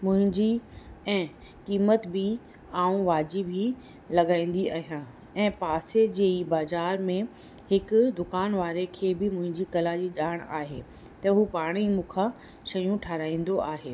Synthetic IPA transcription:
mʊ̃ɦɪ̃ɲd͡ʑiɛ̃ː | kiːmət̪bɪ | aːũʋaːd͡ʑibʱi | lɐɡaːĩːn̆d̪iʔa̰ːɦijãː | ɛ̃ːpaːsed͡ʑeːibaːzaːɾmẽ | hɪkʊd̪ʊkaːnʋaːɾekʰeːbɪmʊ̃ɦɪ̃ɲd͡ʑikɐlad͡ʑiːʄaːɽ̃a̰ːɦḛː | t̪ɐɦupaːɽ̃imũːkʰa | ʃɐjũʈʰaːɾaːĩːnd̪oʔaːɦeː

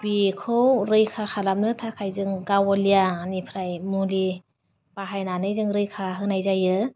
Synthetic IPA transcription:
bikʰɯwɾɯjkʰaxʰalam̚nɯtʰakʰajzɯŋɡawɔlijaːnipʰɾajmuli | paɦajnanɯjzɯŋɾɯjkʰaɦɯnajzajɯ

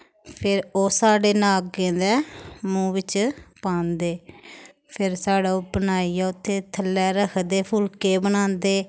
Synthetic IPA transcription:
pʰɪɾoːsaːɖeːnaːk̚kẽːd̪ɛːmũːʋɪt͡ʃpãːnd̪eː | pʰɪɾsaːɽaːʊbənaːiːɛːʊt̪ʰːeːt̪ʰəlːɛːɾəkʰd̪eːpʰʊlkeːbənãːnd̪eː

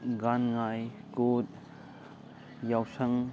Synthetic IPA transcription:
ɡanŋaj | kot̚ | jawsɐŋ

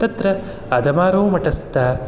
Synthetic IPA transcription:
t̪ɐt̪ɾɐ | ɐd̪ɐmaːɾoːmɐʈɐst̪aː

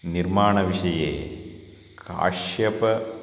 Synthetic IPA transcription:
niɾmaːɳɐʋiʂɐjeː | kʰa̰ːʂʃjɐpɐ

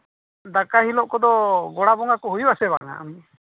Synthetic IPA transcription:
d̪akahilɔʔkɔd̪ɔɡɔɽabɔŋakɔɦujbasɛba̰ŋa̰a̰mi

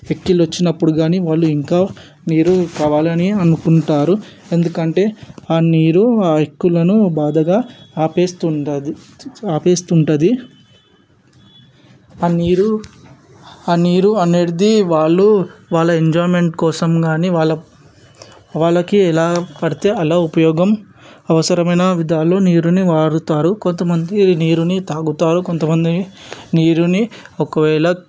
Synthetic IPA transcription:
ʋekːilʋɐt͡ʃːinɐpːuɽuɡaːniʋaːɭːuiŋkaː | niːɾukaːʋaːlɐniɐnukuɳʈaːɾu | e̞nd̪ukɐɳʈe̞ːaːniːɾuaːekːulɐnubaːd̪ɐɡaːpeːst̪u | aːpeːst̪uɳʈɐd̪i | aniːɾu | aːniːɾuɐneːɽid̪iʋaːɭːuʋaːɭːɐeɲd͡ʒɔːjmeɳʈkɔːsɐmɡaːniʋaːɭːɐ | ʋaːɭːɐkiɛlaːpɐɽit̪e̞ːɐlaːupɐjɔːɡɐm | ɐʋɐsɐɾɐmɐjnɐʋid̪ʱaːlo̞ːniːɾuniʋaːɽut̪aːɾukont̪ɐmɐnd̪iniːɾunit̪aːɡut̪aːɾuko̞nt̪ɐmɐnd̪iniːɾuniɔkɐʋɛːɭɐ

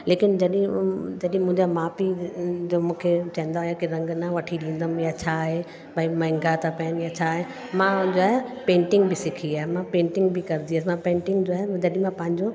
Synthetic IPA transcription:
leːkɪnd͡ʑɐɗɪ̃d͡ʑɐɗɪ̃ĩmʊ̃ɦɪɲd͡ʑamaːpid͡ʑoːmũːkʰet͡ɕɐ̃ɦɪ̃nd̪aɦjakiɾɐ̃ŋɡnaʋɐʈʰiɗĩːnd̪əmjat͡ɕʰaɦe | baĩmɐ̃ɦɪ̃ŋɡat̪ʰapɐənjat͡ɕʰaɦe | mãd͡ʑoːaːɦepẽːɳʈɪ̃ŋɡbɪsɪkʰiaːɦemãpẽːɳʈɪ̃ŋɡbɪkɐɾɪnd̪iəsmãpẽːɳʈɪ̃ŋɡd͡ʑoaːɦed͡ʑɐɗɪ̃mãpɐ̃ɦɪ̃ɲd͡ʑo

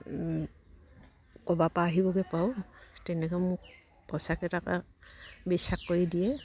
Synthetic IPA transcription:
kɔbapaːɦibɔɡɛpawtɛnɛkɔmʊk | pɔsakɛtaka̰ | bisakːoɹidijɛ

